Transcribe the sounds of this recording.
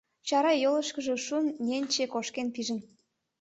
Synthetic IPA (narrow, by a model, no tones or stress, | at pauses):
t͡ɕɑɾɑjoləʃkəʒe̽ʃunːʲenʲt͡ɕekoʃkenpiʒən